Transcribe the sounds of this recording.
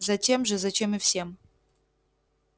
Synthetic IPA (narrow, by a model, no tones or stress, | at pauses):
zɐt͡ɕʲe̞mʐɨzɐt͡ɕe̞mɨfsʲe̞m